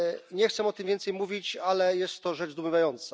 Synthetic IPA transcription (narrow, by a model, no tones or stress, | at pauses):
ɲɛxt̪sɛmɔt̪ɘmvʲjɛnt̪sɛjmuvʲit͡ɕalɛjɛst̪ːɔʐɛʐzd̪umɘvajɔnt̪sa